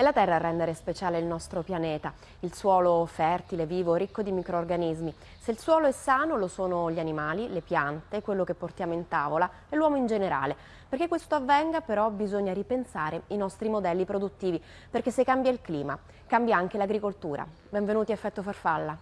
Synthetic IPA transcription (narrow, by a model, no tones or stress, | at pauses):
elat̪ɛrːarːɛnd̪eɾespet͡ʃaːleilnɔst̪ɾopjanɛːt̪a | ilswɔːlofɛrt̪ileviːvoɾikːod̪imikɾoːrɡanizmi | seilswɔːloɛsːaːnolosoːnoʎianimaːlilepjant̪ekːwelːokepːort̪jaːmoint̪aːvola | elːwɔːmoind͡ʒeneɾa̰ːle | perk̟ekːwest̪oavːɛŋɡapeɾɔbizoɲːaɾipensaːɾeinɔst̪ɾimod̪ɛlːipɾod̪ut̪ːiːvi | perk̟esːekːambjailkliːma | kambjaaŋk̟elaɡɾikolt̪uːɾʔa̰ | bɛɱvenuːt̪iaefːɛt̪ːofarfalːa